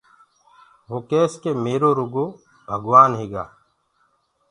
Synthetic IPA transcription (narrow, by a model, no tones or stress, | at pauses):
ʋoːkeːskeːmeːɾoːɾʊɡoː | bʱəɡʋaːnɦeːɡa̰ː